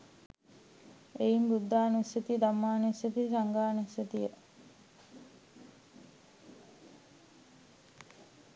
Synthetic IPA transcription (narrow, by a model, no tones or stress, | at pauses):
ejimbud̪ːaːnuiset̪id̪amːaːnuisjet̪isaŋɡaːnuisjət̪ijə